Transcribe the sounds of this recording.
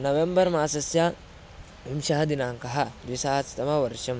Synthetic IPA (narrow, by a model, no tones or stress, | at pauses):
nɐwɛmbɐɾmaːsɐsɪa | hɪmʃɐhɐd̪ɪnaːŋkɐɦad̪ʊɪsɐasɪ̥t̪ɐmawɐɾɪʃɐm